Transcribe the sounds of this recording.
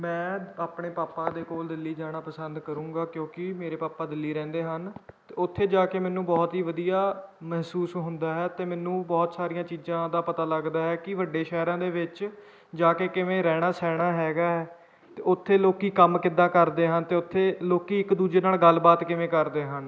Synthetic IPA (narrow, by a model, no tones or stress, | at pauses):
mɛ̃ːaːpɳeːpaːpãːd̪eːkoːld̪ɪlːiːd͡ʒaːɽ̃aːpəsənd̪kəɾũːɡaːkjõːkɪmeːɾeːpaːpãːd̪ɪlːiːɾɛ̃ːnd̪eːɦənt̪eːʊt̪ʰːeːd͡ʒaːkeːmɛ̃ːnũːbɔːt̪ɦiːʋəd̪ijaːmɛɦsuːsɦʊnd̪aːɦɛːt̪eːmɛːnũːbɔːt̪saːɾijãːt͡ʃiːzãːd̪aːpət̪aːləɡd̪aːɦɛːkɪʋəɖeːʃɛːɾãːd̪eːʋɪt͡ʃ | d͡ʒaːkeːkɪʋẽːɾɛːɽ̃aːsɛːɽ̃aːɦɛːɡaːɦɛː | t̪eːʊt̪ʰːeːloːkiːkəmkɪd̪ãːkəɾd̪eːɦənt̪eːʊt̪ʰːeːloːkiːɪkd̪uːd͡ʒeːnaːlɡəlbaːt̪kɪʋẽːkəɾd̪eːɦən